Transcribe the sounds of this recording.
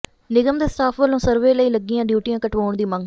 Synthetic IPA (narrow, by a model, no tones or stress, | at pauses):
nɪɡəmd̪eːst̪ʰaːpʰʋəlõːsəɾʋeːləiːləɡːijãːɖjuːʈijãːkəʈʋoːɳd̪iːmə̃ŋɡ